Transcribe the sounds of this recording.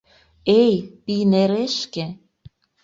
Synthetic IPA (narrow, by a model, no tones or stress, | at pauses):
ejpineɾeʃkʲe